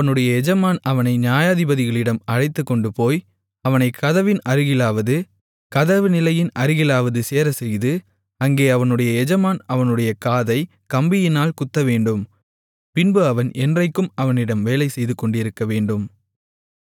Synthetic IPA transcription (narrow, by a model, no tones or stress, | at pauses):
ɐɐnɯɽɐjɐɛd͡ʒɐmaːnɐʋɐnɐɪnɪjaːjaːðɪbɐðɪɣɐɭɪɽɐmɐɻɐɪt̪ːɯkːɔɳɖɯpoːj | ɐʋɐnɐɪkɐðɐʋɪnɐɾɯɣɪlaːʋɐðɯ | kɐðɐʋɯnɪlɐjɪnʔɐɾɯɣɪlaːʋɐðɯseːɾɐsɛjðɯ | ɐŋɡeːɐʋɐnɯɽɐjɐɛd͡ʒɐmaːnɐʋɐnɯɽɐjɐkaːðɐɪ | kɐmbɪjɪnaːlkʊt̪ːɐʋeːɳɖɯm | pɪnbɯɐʋɐnʔɛndrɐɪkːɯmɐʋɐnɪɽɐmʋeːlɐɪsɛjðɯkːɔɳɖɪɾɯkːɐʋeːɳɖɯm